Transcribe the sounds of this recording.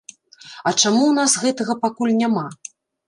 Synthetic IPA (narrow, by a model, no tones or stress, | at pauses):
ɐt͡ʂamuwnasɣɛt̪ɐɣɐpakulʲnʲama